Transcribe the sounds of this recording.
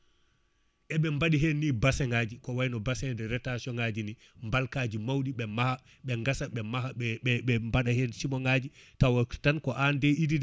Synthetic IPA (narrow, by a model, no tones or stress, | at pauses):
ʔɛɓɛmbaɗiɦenːiːbasɛŋaːd͡ʒikɔwajnɔbasɛndɛɾɛtasiɔŋad͡ʒini | mbalkaːd͡ʒimawɗiɓɛmaha | ɓɛŋɡasaɓɛmahaɛmbaɗahensimɔŋad͡ʒitawɔtankɔʔandɛidid